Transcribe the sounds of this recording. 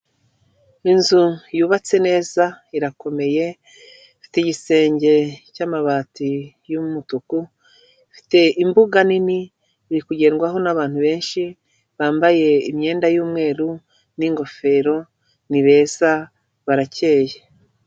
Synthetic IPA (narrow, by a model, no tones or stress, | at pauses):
inzujuːβat͡se̞ne̞ːzaiɾako̞me̞je̞ | fi̥teɟise̞ːɲɟe̞caːmaβaːti | jummutuku | fi̥te̞imbuɡanini | iɾikuɟe̞ːnɡwaɦo̞naβaːn̥huβe̞ːnʃi | βaːmbaje̞imɲe̞ːndajuːmŋe̞ːɾu | niŋɡo̞fe̞ːɾo̞ | niβe̞ːza | βaɾace̞ːje